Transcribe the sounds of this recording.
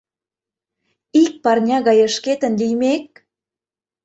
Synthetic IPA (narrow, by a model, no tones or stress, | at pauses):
ik̚pɑrnʲɑɣɑjə̆ʃket̪ə̆nlijmek̚